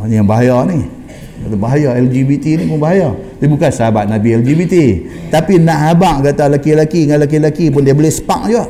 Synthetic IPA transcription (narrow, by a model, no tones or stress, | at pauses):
njaŋbaɦajɔni | albaɦajɔɛld͡ʒibit̪inipʊnbaɦajɔt̪ibukansəabat̪̚nabiɛld͡ʒibit̪i | t̪apinaʔhabaʔkat̪alakilakiŋanlak̬ilakip̬ʊndiabolehsə̥pak̚d͡ʒua